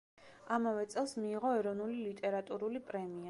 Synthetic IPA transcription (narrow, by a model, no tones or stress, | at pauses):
amavɛt̪sʼɛlˠsmiːʁɔɛɾɔnulilit̪ʼɛɾat̪ʼuɾulipʼɾɛmia